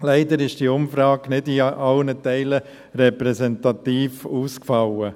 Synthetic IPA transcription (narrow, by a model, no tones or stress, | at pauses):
læɪdəɾɪʃd̥iːʊmfɾɑːɡ̥nɪdiʔɑlnətɛɪlə | rɛpɾɛsɛntɑt̪iːfuːskfɑlə